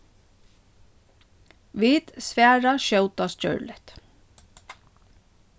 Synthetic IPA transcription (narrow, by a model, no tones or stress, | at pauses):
ʋiːt̪sʋæːɹaʃœwt̪ascœ̰ɹlɪht̪